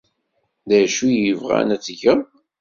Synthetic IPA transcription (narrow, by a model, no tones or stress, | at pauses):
ðæʃujəvʁæ̰næt͡sːʝəm